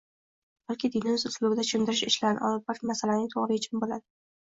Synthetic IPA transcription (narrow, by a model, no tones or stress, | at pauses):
b̥alkʲɪd̪inɪmɪzʊslˠʊbɪd̪at͡ʃʰɪmd̪ɪɾɪʃɪʃlanɪ̰ʔɒ̰lˠɪb̚bɒɾmasalanɪŋt̪ʰoʁɾɪɪt͡ʃʰɪnbolad̪ɪ